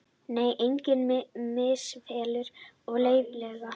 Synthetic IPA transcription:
neːjʔejɲcɪnmɪsvɛːlʏɾɔɣleːjvlœɣa

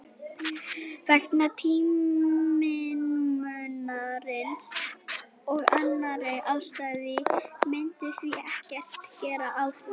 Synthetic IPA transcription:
vɛknat̪ʰiː | ɪmʏnaɾɪns | ɔɣanːaɾejʔaðst̪ajðɪmɪjnt̪ɪθviɛhcɛr̥t̪cɛːɾaʔaðθu

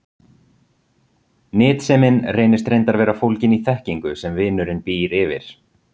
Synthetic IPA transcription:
nɪːt̪sɛmɪnrejnɪst̪ɾejnt̪aɾvɛːɾafowlcɪniθɛhciŋkʏsɛmvɪːnʏɾɪnpiːɾɪvɪ̰ɾ̥

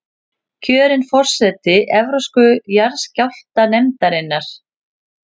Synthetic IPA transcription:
cʰœːɾɪnfɔr̥sɛt̪ɪʔɛvɾowskʏjaɾscawl̥t̪anɛmt̪aɾɪnːaɾ̥

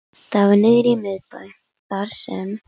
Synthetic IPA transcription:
θavanɪðɾimɪðpaj | θaɾ̥sɛ̰m

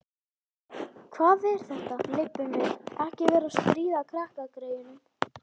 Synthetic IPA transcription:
kʰvaːðɛɾ̥θɛht̪alɪpːʏmɪðɛhcɪvɛːɾast̪ɾiːðakʰɾahkakɾœːɥjʏnʏm

